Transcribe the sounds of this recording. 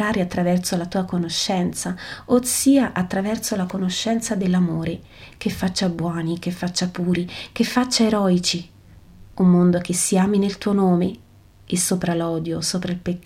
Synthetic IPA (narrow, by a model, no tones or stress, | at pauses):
aːɾeat̪ːɾavɛrsolat̪uːakonoʃːɛnt̪saosiːaʔat̪ːɾavɛrsolakonoʃːɛnt̪sad̪elːamoːɾe | kefːat͡ʃːabwɔːnikefːat͡ʃːapuːɾikefːat͡ʃːaeɾɔːit͡ʃi | umːond̪ok̟esːiaːminelt̪uːonoːme | esːoːpɾalɔːd̪josoːpɾailpekː